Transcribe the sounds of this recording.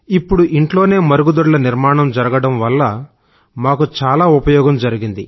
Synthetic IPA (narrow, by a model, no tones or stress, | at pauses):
ipːuɽuʔiɳʈlo̞ːne̞ːmɐɾuɡud̪uɾlɐniɾmaːɳɐmd͡ʒɐɾɐɡɐɽɐmʋɐlːɐ | maːkut͡ʃaːlaːupɐjɔːɡɐmd͡ʒɐɾiɡind̪i